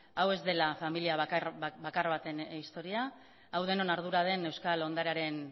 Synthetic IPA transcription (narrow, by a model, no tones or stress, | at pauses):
awe̞zd̪e̞lafamiliabakarβat̪e̞nist̪o̞ɾiaː | wð̞e̞no̞naɾð̞uɾaðe̞ne̞wskalo̞nd̪aɾeaɾe̞n